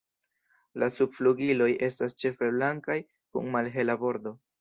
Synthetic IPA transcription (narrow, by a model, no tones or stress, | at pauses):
lasubfluɡilo̞jʔe̞stast͡ʃe̞fe̞blaŋkaj | kṵŋmalɦe̞labo̞ɾdo̞